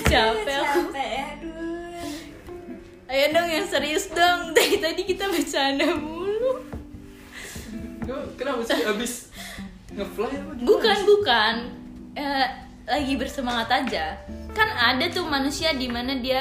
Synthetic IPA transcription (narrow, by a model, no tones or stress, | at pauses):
t͡ʃapɛ | ajanɔŋjaŋsəɾisd̪əŋt̪ait̪adikit̪abat͡ʃanabulu | kənamusabɪs | ŋəflahjabukanbukan | ə | laɡibərsəmaŋat̪ad͡ʒakanadat̪ʊmanusiadimanadia